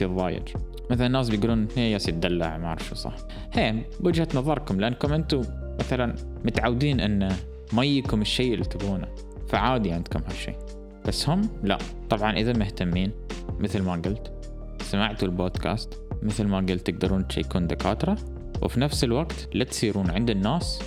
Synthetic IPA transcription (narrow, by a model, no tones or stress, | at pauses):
fiðˤɑ̰ːjɪ̰d͡ʒ | maθalanːaːs̬bɪjɡuːluːnheːjasjɪt̪̚d̪alːa̰ʕmaʕɑɾˤfṵsˤɑ̰ħ | heː | wʊd͡ʒhat̪nɑðˤɑɾˤkʊmlɪʔanːkʊmʔɪnt̪u | maθalan | mʊt̪ʕawd̪iːnʔɪnːa | majikʊmɪʃːeːʔɪlːit̪aɡuːna | faʕaːd̪iʕɪnd̪kʊmhaʃːḭː | b̥asːhʊmla̰ | t̪ˤɑbʕɑnʔɪðamɪht̪amːiːnmɪθlmaɡʊlt̪ | samaʕt̪ulboːd̪kʰa̰ːst̪ | mɪθlmaɡʊlt̪ːɪɡ̚d̪ɑɾuːna̰jkuːnd̪ɪka̰ːt̪ɾˤɑ | wɪ̰finafsɪlwaɡt̪lat̪siːɾuːnʕɪnd̪ɪnːaːs